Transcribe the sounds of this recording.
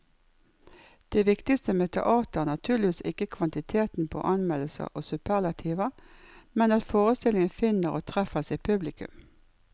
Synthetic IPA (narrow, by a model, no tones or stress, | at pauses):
d̪̥ɛːʋɪkt̪ɪst̪əmeːt̪ʰɛ̰ʔɑːt̪əʁnɑt̪ʰʉːʁlɪʋiːsɪkːəkʰʋɑnt̪ɪt̪ʰeːt̪n̩pʰo̰ːʔɑnmɛləsə̰ʔoːsʉpʰæʁlɑt̪ʰiːʋəmɛnɑt̪foːʁəst̪ɪlɪŋənfɪnəʁoːt̪ʰʁɛfəsɛpʰʉblɪkʉ̰m